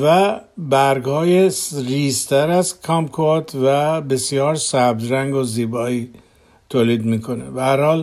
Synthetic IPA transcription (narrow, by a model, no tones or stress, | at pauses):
væbæɾɡhɒːjesɾiːst̪ʰæɾæzkʰɒmkʰoɑt̪ʰvæbe̞sijɒːɾsæb̚d̪ɾæŋɡoziːbɒːiː | t̪ʰoːliːd̪miːkʰo̞nḛbæhæɾhɒːl